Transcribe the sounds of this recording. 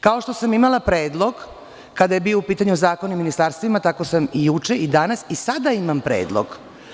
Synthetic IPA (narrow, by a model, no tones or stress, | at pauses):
kaoʃt̪o̞samimalˠapɾeːd̪lˠo̞ɡ | kad̪ajebiːoupiːt̪aɲuzaːkoniminist̪aɾst̪vʋimat̪ako̞samijut͡ʃeid̪anasisad̪aimampɾḛːd̪lˠo̰ɡ